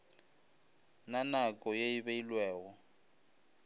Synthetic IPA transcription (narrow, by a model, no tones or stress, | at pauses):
nanakʼɔjeiβeilwɛːwɔ